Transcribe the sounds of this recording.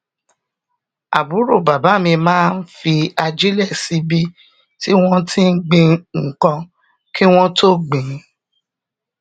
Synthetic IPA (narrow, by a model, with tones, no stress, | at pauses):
a̰˨bu˨˦ɾo˦˨ba˨ba˨˦˨mĩ˧mãː˦n̩˦fi˧a˧d͡ʒi˦lɛ˦˨si˨˦bi˦ | ti˦w̃ɔ̃˦tʰi˦n̩˦ɡ͡bĩ˧ŋ̩˨kã˧ | ki˦w̃ɔ̃˦to˦ɡ͡bẽ˨˦